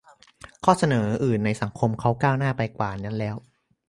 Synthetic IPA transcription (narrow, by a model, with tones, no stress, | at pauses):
kʰɔː˥˩sa˧nɤː˩˦ʔɯː˨˩nːa˧jsa˩˦ŋkʰo˧mkʰa˦˥wkaː˥˩wnaː˥˩pa˧jkwaː˨˩na˦˥nlɛː˦˥w